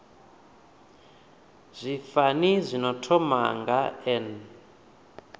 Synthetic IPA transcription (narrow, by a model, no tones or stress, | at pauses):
zʷifanizʷinɔtʰɔma̰ŋɡaɛn